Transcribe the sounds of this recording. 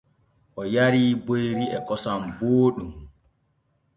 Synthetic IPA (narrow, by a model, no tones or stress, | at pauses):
ʔɔjaɾiːbojɾiɛkɔsamboːɗum